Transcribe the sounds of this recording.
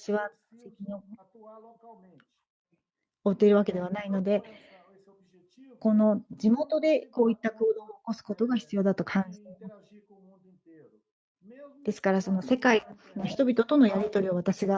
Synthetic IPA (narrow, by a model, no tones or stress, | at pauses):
ɕiβa | sekʲino | ot̪ːeɾɯ̟βake̞d̪e̞β̞anaino̞d̪e̞ | ko̞no̞d͡ʑimo̞t̪o̞d̪e̞ko̞ːit̪ːako̞ːd̪o̞ːko̞sɨ̥ko̞t̪o̞ɡaçʲi̥t͡sɨjo̞ːd̪at̪o̞kʰãɲ̟d͡ʑinmo | d̪̥e̞sɨ̥kaɾaso̞no̞se̞kai | noçi̥t̪o̞bʲit̪o̞t̪o̞no̞jaɾʲit̪o̞ɾʲio̞βat̪aɕiɡa